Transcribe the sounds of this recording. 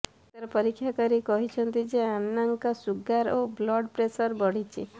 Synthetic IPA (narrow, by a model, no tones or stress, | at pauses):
t̪aɾɔpɔɾikʰːjakɔɾikɔɦit͡ʃʰɔnt̪id͡ʒeanːaŋkɔsuɡaɾoblɔɽpɾesɔɾbɔɽ̤it͡ʃʰi